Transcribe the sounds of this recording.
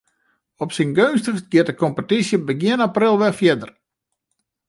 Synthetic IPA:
ɔpsinɡønstəxsɡɪt̚əkɔmpətisjəbəɡjɪənaprɪlˠʋɛfjɪdər

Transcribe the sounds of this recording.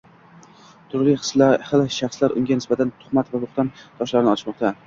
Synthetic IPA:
t̪ʰʊɾlɪshlˠʃaχslaɾʔʊ̰ŋɡʲanɪsbat̪ʰant̪ʰʊ̥χmat̪valʊχt̪ant̪ʰɒʃlaɾɪnɪɒlɪ̥ʃmɒq̚t̪ʰa

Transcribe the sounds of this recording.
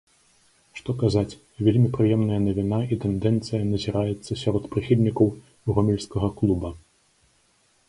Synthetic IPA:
ʂt̪ɔkazat͡sʲ | vʲelʲmʲipɾɨjɛmnɐjɐnɐvʲinaʔit̪ɛnd̪ɛnt̪sɨjɐnɐzʲiɾajɛt̪sːɐsʲaɾɔt̪pɾɨxʲilʲnʲikɐw | ɣɔmʲɛlʲskɐɣɐklˠubɐ

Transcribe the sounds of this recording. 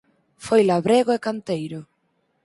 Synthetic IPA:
fojlaβɾeɣoekant̪ejɾʊ

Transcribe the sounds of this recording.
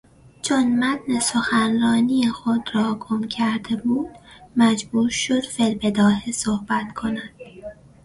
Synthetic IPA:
t͡ʃʰonmæt̪nesoxænrɒːniːjexod̪ɾɒːɡʰomcʰæɾd̪e̞buːd̪̥mæd͡ʒbuːɾʃod̪̥fe̞lbed̪ɒːhesohbæt̪kʰo̞næd̪̥

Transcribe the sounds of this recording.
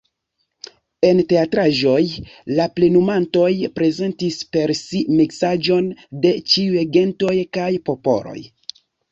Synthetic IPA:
e̞nte̞atɾaʒo̞jlaple̞numanto̞jpɾe̞ze̞ntispe̞ɾsimiksad͡ʒo̞nde̞t͡ʃiueɡe̞nto̞jkajpo̞po̞̰ɾo̞̰j

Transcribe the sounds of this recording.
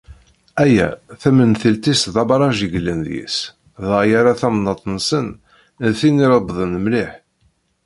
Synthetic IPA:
æjæ̰θæmənθəlt̪isðɑbɾˤɑʒiʝlənðjḭs | ðəʁjaɾaθæmnɑt̪ˤnsən | nθiniɾəbðˤənmliħ

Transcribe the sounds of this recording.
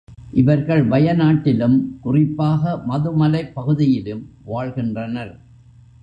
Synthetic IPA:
ʔɪʋɐɾɣɐɭʋɐjɐnaːʈːɪlɯmkʊrɪpːaːɣɐmɐðɯmɐlɐɪpːɐɣɯðɪjɪlɯmʋaːɻɣɪndrɐnɐɾ

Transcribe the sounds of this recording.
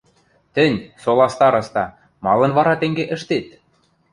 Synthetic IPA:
t̪ə̆nʲsolˠɑst̪ɑɾɤ̆st̪ɑ | mɑlˠɤ̆nvɑɾɑt̪ĕŋɡeʔə̆ʃt̪et̪̚

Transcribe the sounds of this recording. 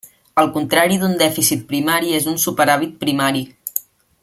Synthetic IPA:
əlˠkunt̪ɾaɾiðund̪ɛfisit̪̚pɾimaɾiezunsupəɾaβit̪̚pɾimaɾi

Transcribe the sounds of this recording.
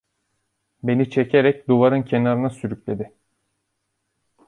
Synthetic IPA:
be̞nit͡ʃʰecʰeɾɛc̚d̪uvaɾɯncʰenaɾɯnasyɾycʲlʲe̞d̪ɪ

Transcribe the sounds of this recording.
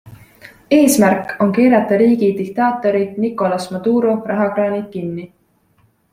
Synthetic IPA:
e̞ːsmærkːˑo̞ŋkeːɾɑt̪ːˑɑɾiːɡid̪ik̚t̪ɑːt̪ːˑo̞ɾid̪nikːˑo̞lɑsmɑd̪̥uːɾo̞rɑɦɑkɾɑːnikinːi

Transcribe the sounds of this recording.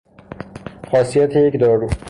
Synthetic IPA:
xɒːsijæt̪ʰejecd̪ɒːɾu

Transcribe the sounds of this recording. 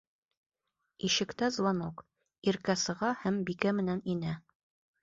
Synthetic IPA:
iʃɘ̆kt̪æzw̪ˠɑnok | iɾkæsɤ̆ʁɑhæmbikæmɘ̆næninæ

